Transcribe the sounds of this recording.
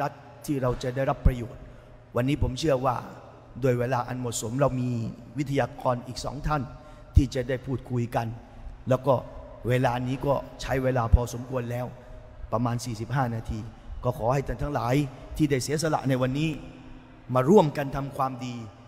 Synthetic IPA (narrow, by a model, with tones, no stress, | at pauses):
ɾa˦˥t̪ʰːiː˥˩ɾa˧wt͡ɕa˨˩da˥˩jɾa˦˥pːɾa˧joː˨˩t̪̚ | wa˧nːiː˦˥pʰo˩˦mt͡ɕʰɯ˥˩ɐwaː˥˩ | doː˧jweː˧laː˧ʔa̰˧nmo˨˩t̪̚so˩˦mɾa˧wmiː˧wt̪ʰa˧jaː˧kɔː˧nʔiː˨˩k̚sɔ̰ː˩˦ŋt̪ʰa˥˩n | t̪ʰiː˥˩t͡ɕa˨˩da˥˩jpʰuː˥˩t̪̚kʰu˧jka˧n | lɛː˦˥wkɔː˥˩ | weː˧laː˧niː˦˥kɔː˥˩t͡ɕʰa˦˥jweː˧laː˧pʰɔː˧so˩˦mku˧ənlɛː˦˥w | pɾa˧maː˧nsiː˨˩si˨˩p̚ɦaː˥˩naː˧t̪ʰiː˧kɔː˥˩kʰɔː˩˦ha˥˩jt̪ʰa˥˩nt̪ʰa˦˥ŋlaː˩˦jt̪ʰiː˥˩da˥˩jsi˨˩˦ɐsa˧la̰˨˩ʔna˧jwa˧nːiː˦˥ | maː˧ɾu˥˩əmka˧nt̪ʰa˧mkʰwaː˧mdiː˧